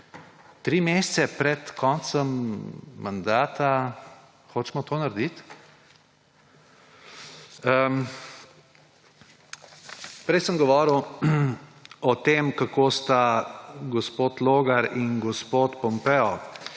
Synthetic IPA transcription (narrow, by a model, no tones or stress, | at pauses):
t̪ɾimest̪sɛpɾɛt̪kʰɔnt̪səmː | and̪aːt̪a | xoːt͡ʃmɔt̪oːnaɾd̪it̪ | ə | pɾɛjsəmɡɔʋɔːɾw | ɔt̪eːmkakoːst̪aɡɔspoːt̪loːɡaɾinɡɔspoːt̪pɔmpɛɔ